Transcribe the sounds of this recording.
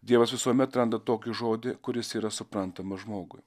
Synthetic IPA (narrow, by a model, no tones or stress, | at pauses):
d̪ʲiɛʋɐsʋʲɪsuːmʲɛt̪ɾɐnd̪ɐt̪oːkʲɪʒoːd̪ʲɪkʊɾʲɪsiːɾɐsʊpɾɐnt̪ɐmɐʒmoːɡʊɪ